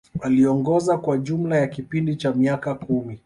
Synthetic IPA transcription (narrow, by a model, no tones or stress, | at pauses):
aliɔŋɡɔzakwaʄum̩lajakipindit͡ʃamiakakumi